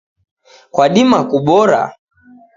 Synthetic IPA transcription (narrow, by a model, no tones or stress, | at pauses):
kwaɗimakuɓɔɾa̰